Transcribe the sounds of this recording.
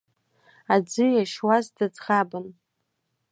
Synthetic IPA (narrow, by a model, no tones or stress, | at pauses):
ad͡zɨjaʃwazdad͡zχabɨn